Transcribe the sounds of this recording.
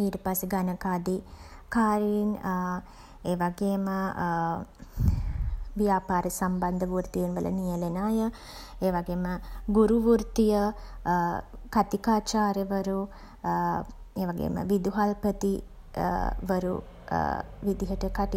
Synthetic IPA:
iːʈəpaseɡanəkaːd̪i | kaːɾiin | eːʋaɡeːmə | ʋijaːpaːɾesamband̪əʋuɾt̪ijinʋələ̰nijəlenaːjə | eːʋaɡeːməɡuɾuʋuɾt̪ijə | kat̪ikaːt͡ʃaːɾəʋəɾu | eːʋaɡḛmə̰ʋid̪uɦalpət̪i | ʋəɾṵ | ʋid̪iɦəʈəkaʈi

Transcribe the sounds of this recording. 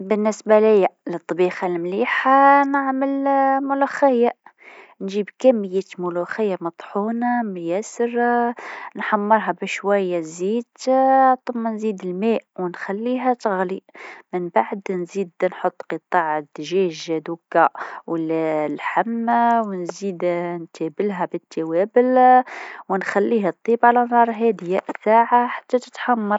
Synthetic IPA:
bənːɪsbalɪjːalɨt̪ˤːɑbiːxalmliːħanaʕməlmʊluxɪja | nʒiːbkæmːəjːemʊluxɪjːamɑt̪ˤħuːnamjæsəɾ | nħamːɑɾˤɦabɪʃwæjːaziːd̪t̪ˤʊmːanziːd̪ɪlmeːʔwnxælːiːɦæt̪ɣlimənbaʕd̪nzid̪nħot̪ˤːqət̪ˤɑʕəd̪ʒæʒd̪ukːawəllħamːwnzid̪nt̪æbəlɦæbət̪ʰːawæbəl | wnxælːiɦæt̪ˤːibʕalænɑɾˤɦæd̪jæʔsaʕaħḁt̪ːæt̪ə̥t̪ħɑmːɑɾˤ

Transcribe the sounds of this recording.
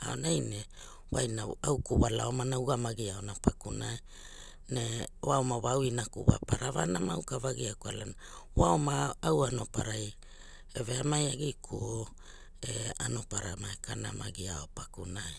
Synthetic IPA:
a̰onajne | wajnaawkuβalaomanawɡamaɡiaonapakunaj | newaomaβawinakuβa̰paɾavanamaukavaɡiakualana | waomaːwano̞paɾaj | eveamajaɡijkʰuo | ea̰no̞paɾamaekana̰maɡiao̞pakunaj

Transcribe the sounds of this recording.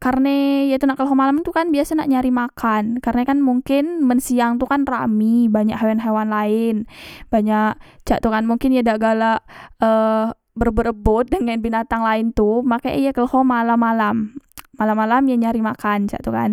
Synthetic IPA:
karnajat̪unaʔkəlɦomalamt̪ukanbiasanaʔɲaɾimakʰankarnakanmuŋkɪnmənsiaŋt̪ukanra̰mibaɲaʔɦewanɦewanlaɪnbaɲakt͡ʃa̰ʔt̪ukanmuŋkɪnjadaɡalaʔə | bərbəɾəbʊt̪̚dəŋanbinat̪aŋlaɪnt̪umakaʔjakəlhomalamalamːalamalamjaɲaɾimakant͡ʃa̰ʔt̪uka̰n

